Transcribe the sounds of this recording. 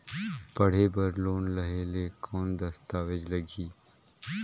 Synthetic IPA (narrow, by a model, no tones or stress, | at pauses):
pɐɽ̤eːbəɾloːnlɐɦeːlekʰoːnd̪ɐst̪aːʋɪd͡ʒləɡiː